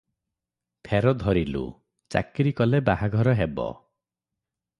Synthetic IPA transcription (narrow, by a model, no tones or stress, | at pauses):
p̪ʰeɾɔd̪ʱɔɾilṵ | t͡ʃa̰kɾikɔlebaɦaɡʱɔɾɔɦebɔ̰